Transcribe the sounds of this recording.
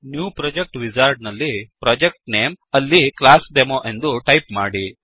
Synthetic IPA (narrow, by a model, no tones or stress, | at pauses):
njuːpɾɐːd͡ʒek̚ʈʋid͡ʒaːɾɖ̚nɐlːipɾɔːd͡ʒek̚ʈneːm | ɐlːiklaːsɖemoʔe̞nd̪uʈɐjpmaːɽi